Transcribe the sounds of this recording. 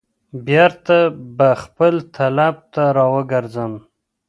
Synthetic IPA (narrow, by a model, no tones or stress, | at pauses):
bjaɾt̪abaxpəlt̪ʰalab̚t̪aɾɑwəɡəɾzəm